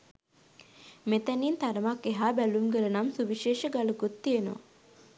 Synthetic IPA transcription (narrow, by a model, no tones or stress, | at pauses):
met̪æniːnt̪aɾəmakːeɦaːbælumɡələnamsuʋiʃeːʃəɡaluɡot̪ːijeno̰ʋ